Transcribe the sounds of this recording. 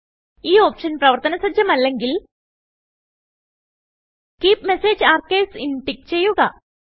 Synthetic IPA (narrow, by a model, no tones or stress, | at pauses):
iːoːpʂɐnprɐʋɐrt̪ɐnɐsɐd͡ʑjɐmɐlːe̞ŋɡil | kiːpmeseːd͡ʑaːrkeːsinʈik̚ːt͡ɕe̞jːuɣɐ